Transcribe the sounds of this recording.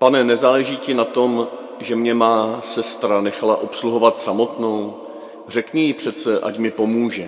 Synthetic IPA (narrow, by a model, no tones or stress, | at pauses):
panɛnɛzaːlɛʒiːcɪnat̪o̞m | ʒɛmɲɛmaːsɛst̪ɾanɛxalaʔo̞psluɦo̞vat̪samo̞t̪no̞w | r̝ɛkɲɛjɪpr̝̥ɛt̪t͡sɛʔa̰cmɪpo̞muːʒɛ